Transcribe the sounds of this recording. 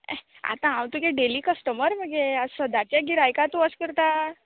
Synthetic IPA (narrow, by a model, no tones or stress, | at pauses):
a̰t̪ããwt̪ukeɖeliːkəsʈəməɾməɡeəsəd̪at͡ɕjaɡiɾajkat̪uəskəɾt̪a